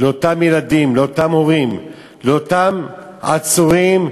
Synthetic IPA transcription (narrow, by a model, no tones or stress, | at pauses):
leot̪amjelad̪imleot̪amhoʁim | leot̪am | at͡suʁim